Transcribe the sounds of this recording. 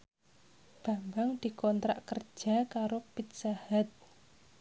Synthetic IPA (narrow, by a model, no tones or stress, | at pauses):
b̥a̤mbaŋd̪̥i̤kɔnt̪ɾa̰ʔkər̥d͡ʒʒ̥a̤kaɾopit̪̚sahat̪̚